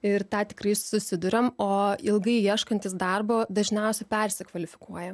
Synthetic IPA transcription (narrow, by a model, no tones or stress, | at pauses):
ɪɾt̪ɑːt̪ʲɪ̥kɾɐɪsʊsʲɪd̪ʊɾʲɛmoːɪlˠɡɐɪjiɛʃkɐnʲt̪ʲɪsd̪ɐrboːd̪ɐʒʲnʲɛʊsʲɛpʲɛɾʲsʲɛkʋɐlʲɪfʲɪkuɔjɛ